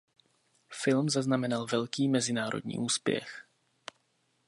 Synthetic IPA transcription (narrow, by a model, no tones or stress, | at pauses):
fɪlmzaznamɛnalvɛlkiːmɛzɪnaːɾʔo̰dɲḭːʔuːspjɛ̰x